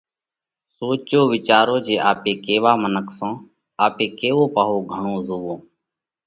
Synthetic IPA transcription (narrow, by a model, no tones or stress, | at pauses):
soːt͡ʃoːʋɪt͡ʃaːɾoːd͡ʒeːʔaːpeːkeːʋaːmənəkʰsõː | aːpeːkeːʋoːpaːɦoːɡʱəɳõːzoːʋõː